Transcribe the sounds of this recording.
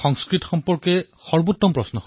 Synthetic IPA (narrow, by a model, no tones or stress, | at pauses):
xɔŋskɹitɔxɔmpɔɹke | xɔɹbutːɔmpɹɔsnɔxo